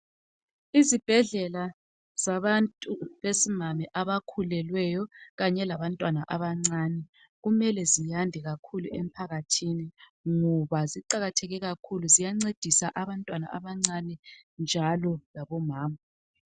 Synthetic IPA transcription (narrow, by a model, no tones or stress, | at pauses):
izib̥ʱɛɮɛla | z̥aβantʼuβesimamɛʔaβakʰulɛlwɛjɔɣaɲɛlaβantʼwanaʔaβaŋ͡ǀanɛ | ɣumɛlɛzijandʱɛɣakʰuluem̩pʰaɣatʰini | ŋɔβaziǃaɣatʰɛɣɛɣakʰuluzijaŋ͡ǀed̥ʱisaʔaβantʼwana̰ʔaβaŋ͡ǀanɛnd͡ʒʱalɔlaβɔmaːma